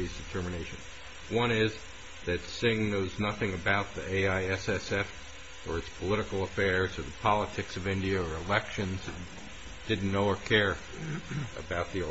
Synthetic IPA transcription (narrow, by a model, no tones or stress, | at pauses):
isd̥ɨtʰɜ˞mɨneɪʃɨ̃n | wʌ̃ñɪz | ðɨtsɪ̃ŋnoʊznʌθɪ̃ŋɨbaʊt̪̚ðieɪaɪɛsɛsɛf | ə˞ɨtspʰəlɪɾɨkl̩ˠəfɛɹz̥ə˞ðəpʰɑlˠətʰɨksʌvɪ̃ndiɨə˞ɨlɛkʃɨ̃nz | d̥ɪdⁿn̩noʊə˞kʰɛɹ | ɨ̰baʊt̪̚ði